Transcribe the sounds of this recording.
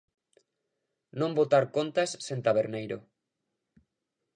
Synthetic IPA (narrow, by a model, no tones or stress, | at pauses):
nõmbot̪aɾkont̪asːẽnt̪aβeɾnejɾo